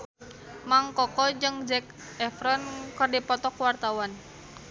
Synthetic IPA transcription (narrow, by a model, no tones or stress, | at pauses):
maŋkɔkɔd͡ʒɨŋd͡ʒɛk̚ | ɛfɾɔnkɨrdipɔt̪ɔkwart̪awan